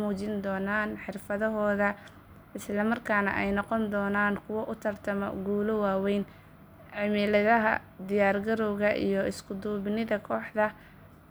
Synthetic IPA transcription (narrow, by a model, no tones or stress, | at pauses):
uːt͡ʃɪnd̪ɔːnaːnħɪrfɐðɔɦɔːðɐ | ʔɪslɐmɐrkʰaːnɐ̰ʔɛjnɔqɔnd̪ɔːnaːnkʰʊwɐʔʊt̪ʰɐrt̪ʰɐmɔ̰ɡuːlʊwaːwɛjn | ʕɪmɪlɐðɐɦɐ̰d̪ɪjaːrɡɐɾɔwɣɐʔḭjɔɪskʰʊd̪uːβɪnɪðɐkʰɔːħd̪ɐ